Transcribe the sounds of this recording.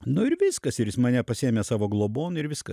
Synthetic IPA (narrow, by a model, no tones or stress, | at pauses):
nʊɪɾʋʲɪskɐsɪɾɪsmɐnʲɛpɐsʲieːmʲeːsɑːʋoːɡlˠoːboːnɪɾʋʲɪskɐ